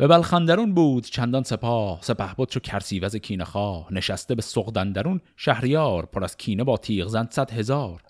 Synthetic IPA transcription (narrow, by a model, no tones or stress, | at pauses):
væbælxænd̪æɾunbuːd̪̥t͡ʃʰænd̪ɒnse̞pʰɒːhse̞pæhbod̪ʃocʲʰæɾsiːvæzecʲʰiːnexɒːhne̞ʃæst̪e̞be̞soɣd̪ænd̪æɾun | ʃæhɾjɒːɾpʰoɾæz̥kʲʰiːnebɒːt̪ʰiːʁzænd̪̥sæd̪he̞zɒːɾ